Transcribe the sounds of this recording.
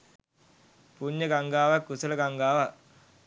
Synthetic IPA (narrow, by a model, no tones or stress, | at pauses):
puɲjɐɡɐŋɡaːʋɐkːusɐlɐɡɐŋɡaːʋɐ